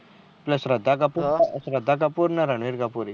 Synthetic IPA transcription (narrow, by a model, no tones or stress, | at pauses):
pləsɾɐd̪ʱːakapuɾəsɾɐd̪ʱːak̬apuɾnaɾɐɳʋiɾɡapuɾi